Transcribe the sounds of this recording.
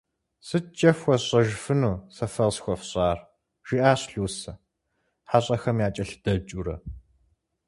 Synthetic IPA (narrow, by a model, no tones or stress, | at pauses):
sɨtt͡ʃʼɐfwʷɔɕʼɐʒfɨnuːsɐfɐlsxʷɔfɕʼaːr | ʒ̥iʔaːɕɬuːsɐ | ħaɕʼɐxɐmjaːt͡ʃʼɐɬd̥ɐt͡ʃʼuɾɐ̰